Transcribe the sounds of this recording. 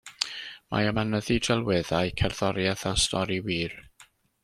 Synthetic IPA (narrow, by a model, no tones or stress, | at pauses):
mʔa̰əmanəðidɛlˠwɪðajkʰɛrð̥ɔɾjaðastʰɔɾiwiːr